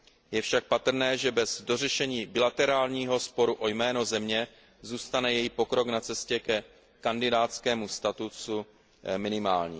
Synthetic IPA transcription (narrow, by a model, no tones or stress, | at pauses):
jɛfʃak̚pat̪r̩nɛːʒɛbɛzdo̞rɛʃɛɲiːbɪlat̪ɛɾaːlɲiːɦo̞spo̞ɾuʔo̞jmɛːno̞zɛmɲɛ | zuːst̪anɛjɛjipo̞kɾo̞knat͡sɛscɛkɛ | kandɪdaːt̪t͡skɛːmust̪at̪usu | mɪnɪmaːlɲḭː